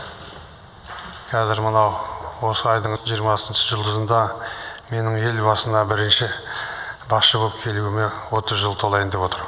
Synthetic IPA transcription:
qʰɑzɪɾmənɑwwo̞səɑjd̪əɴʒijəɾmɑsənʃə̥ʒʊlˠd̪əzənd̪ɑme̞nɪŋe̞lbɑsənɑbɪɾɪnʃɪ | bɑχʃəboəp̚kʲʰe̞luwɪme̞wo̞t̪əzʒəlˠt̪ʰo̞lˠɑjɪnd̪epwo̞t̪əɾ

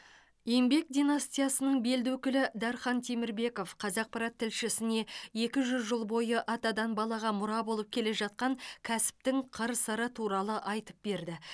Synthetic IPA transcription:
je̞mbe̞k̚d̪inast̪ijasənəɴbe̞ld̪wɵkʲɪlɪd̪ɑɾχɑnt̪ʰemɪɾbe̞ko̞fqʰɑzɑq̚pʰɑɾɑt̪ʰːɪlʃɪsɪne̞je̞kʲɪʒʏzʒolˠbo̞jəʔɑt̪ɑd̪ɑnbɑlˠɑʁɑmʊɾɑbo̞lˠəp̚kʲʰe̞le̞ʒɑt̪̚qɑŋkʲʰæsɪ̥p̚t̪ɪŋqʰəɾsəɾət̪ʰuɾɑlˠəʔɑjt̪ə̥p̚be̞ɾd̪ɪ

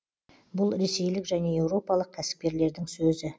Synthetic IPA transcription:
bʊlˠɾe̞se̞jlɪkʒæne̞e̞wɾo̞pɑlˠəq̚kʲʰːæsɪ̥p̚kʲe̞ɾle̞ɾd̪ɪŋsɵzɪ

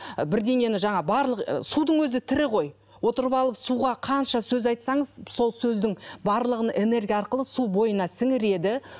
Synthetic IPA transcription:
bɪɾd̪e̞ŋe̞nɪʒɑɴɑbɑɾlˠəqsud̪əɴwɵzɪt̪ʰɪɾɪqʰo̞j | wo̞t̪əɾəpɑlˠəpsuʁɑqʰɑnʃɑsɵzɑjt̪sɑɴəzso̞lˠsɵzd̪ɪŋbɑɾlˠəʁənʔe̞ne̞ɾɡʲijɑɑɾqəlˠəsubo̞jənɑsɪŋɪɾe̞d̪ɪ

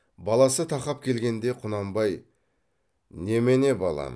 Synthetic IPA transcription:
bɑlˠɑsət̪ʰɑqɑp̚kʲʰe̞lɡʲe̞nd̪e̞qʰʊnɑmbɑj | ne̞mene̞bɑlˠɑ̰

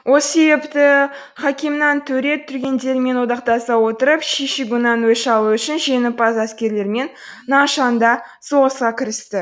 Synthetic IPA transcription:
wo̞lˠsebept̪ɪ | χɑkʲɪmnɑnt̪ʰɵɾe̞t̪ʰːʏɾɡʲe̞nd̪e̞ɾme̞nwo̞d̪ɑqt̪ɑsɑwo̞t̪əɾəpʃeʃɪɡʊnɑnwɵʃɑlˠuʏʃɪnʒe̞nɪpɑzæskʲe̞ɾle̞ɾme̞nː | ɑʃɑnd̪ɑso̞ʁəsqɑkʲʰɪɾɪst̪ɪ

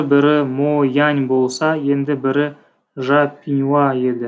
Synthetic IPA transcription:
bɪɾɪmojɑnʲbo̞lˠsɑje̞nd̪ɪbɪɾɪ | ʒɑpʲːinʲuɑe̞d̪ɪ

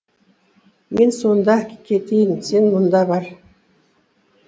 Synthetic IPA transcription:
mensond̪ɑkkʲʰet̪ijɪnsenmʊnd̪ɑβɑɾ

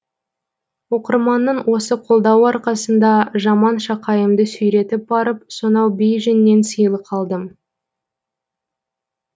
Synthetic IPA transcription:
wo̞qəɾmɑnːəɴwʔo̞səqʰo̞lˠd̪ɑwɑɾqɑsənd̪ɑʒɑmɑnʃɑqɑjəmd̪əsʏjɾe̞t̪ɪp̚bɑɾəp̚so̞nɑwbejʒænːe̞nsəjəlˠəqʰɑlˠd̪əm

